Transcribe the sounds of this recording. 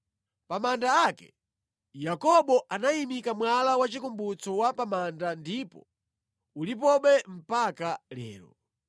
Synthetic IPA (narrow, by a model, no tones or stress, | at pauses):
pamandaːkɛ̰ | jakɔɓɔʔanaimikamwalawat͡ʃikumbut͡sɔwapamandandipɔ̰ | ulip̬ɔɓɛm̩pakalɛ̰ːɾɔ̰